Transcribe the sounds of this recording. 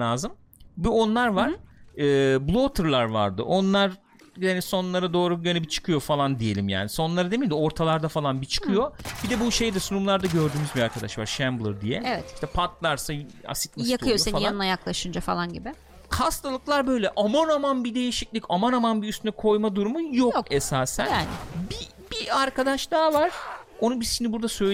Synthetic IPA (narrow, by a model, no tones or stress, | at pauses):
aːzɯm | buo̞nlˠaɾvaɾ̥ɯːblˠo̞t̪ʰɯɾlˠaɾva̰ɾd̪ɯ̰ʔo̞nlˠaɾ | jaaniso̞nlˠaɾad̪o̞ːɾujanɛbit͡ʃʰɯ̥kʰɯjo̞falˠand̪ije̞lʲimja̰ːniso̞nlˠaɾad̪eid̪ʲo̞ɾt̪ʰalˠaɾd̪afalˠanbit͡ʃʰɯ̥kʰɯjo̞bid̪ɛbuʃe̞jd̪isunumlˠaɾd̪aɟøɾd̪yːmyzbiaɾkʰad̪aʃva̰ɾʃæmblˠɯɾd̪ijɛ̰ɛvɛt̪iʃt̪ʰɛpʰat̪lˠaɾsaa̰si̥t̪̚masjaɯjosenfaljˠanɯnajaklˠaʃɯnd͡ʒafa̰lˠanɟibɪ | kʰast̪ʰalˠɯklˠaɾbø̞jlʲɛʔamanamanbid̪e̞jiʃiclʲicamanamanbiyst̪ʰynɛkʰo̞jmad̪uɾumujokesaːsæ̰naːnɪ̰bi | b̥iaɾkʰad̪aʃlˠaːvaɾ̥ | o̞nubizit͡ʃʰinibuɾd̪asø̞l